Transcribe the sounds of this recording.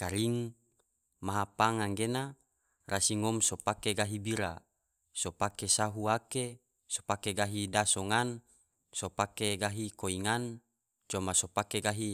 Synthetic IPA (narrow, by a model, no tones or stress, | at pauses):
kaɾiŋ | maɦapaŋaŋɡena | rʔasiŋɔmsopakeɡaɦibiɾa | sopakesaɦuake | so̥pakeɡaɦidasoŋan | sopakeɡaɦikoiŋan | t͡ʃomasopakeɡaɦi